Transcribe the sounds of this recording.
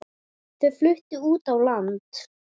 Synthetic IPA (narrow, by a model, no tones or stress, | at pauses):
θeðflʏht̪ɪuːt̪awlant̪